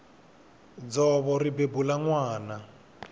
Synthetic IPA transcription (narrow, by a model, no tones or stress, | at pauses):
d͡zɔβɔribebulaŋwaːna